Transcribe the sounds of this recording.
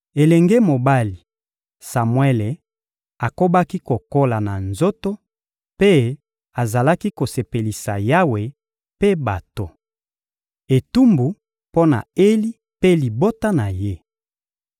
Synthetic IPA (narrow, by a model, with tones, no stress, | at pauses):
e˨lɛ˨ŋɡe˦mo˨ba˦li˨ | sa˨mwɛ˦le˨ | a˨ko˦ba˦ki˦ko˨ko˦la˨na˨nzo˦to˦ | pe˦ | a˨za˨la˦ki˦ko˨se˨pe˨li˨sa˨ja˦we˨ | pe˦ba˨to˨ | e˨tu˦mbu˨ | po˦na̰˨e˦li˦ | pe˦li˨bo˦ta˦na˨je˦